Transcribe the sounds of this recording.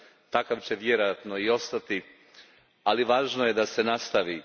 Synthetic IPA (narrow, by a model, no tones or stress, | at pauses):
t̪akaʋt͡ɕe̞ʋjeɾojat̪noio̞st̪at̪i | aliʋaːʒnojed̪ase̞nast̪aʋi